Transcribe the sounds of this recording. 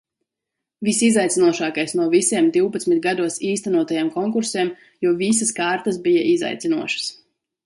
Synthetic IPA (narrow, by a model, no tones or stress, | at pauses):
visizajt̪sinuɔʃaːkajsnuɔvisiɛmd̪iwpat̪smit̪̚ɡad̪uɔsiːst̪ænuɔt̪ajamkɔŋkuɾseɛm | juɔvis̬askaːɾt̪as̬bija̰ʔiza̰jt̪sinṵɔʃɐ̥s